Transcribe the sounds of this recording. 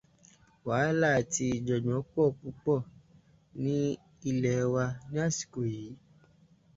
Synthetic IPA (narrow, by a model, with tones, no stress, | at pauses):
waː˨˦la˦˨ti˧i˨d͡ʒɔ˨d͡ʒɔ̃˨˦k͡pɔ˦˨k͡pu˧k͡pɔ˦˨ | nĩ˦ | i˧lɛ˨˧wa˧ñ˦a˦˨si̥˨ko˨jiː˨˦